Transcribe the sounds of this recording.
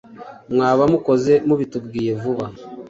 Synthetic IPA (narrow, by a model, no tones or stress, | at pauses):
mŋaːβamuko̞ze̞muβitubɡiːjevuβa